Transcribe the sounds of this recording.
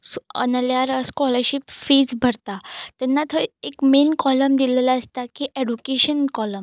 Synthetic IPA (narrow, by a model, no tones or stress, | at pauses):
sə̰nəljaɾskɔləɾɕipfed͡zbʱəɾt̪at̪jɛnːat̪ʰəekmenkɔləmd̪ilelaəst̪akiʔeɖukeɕənkɔləm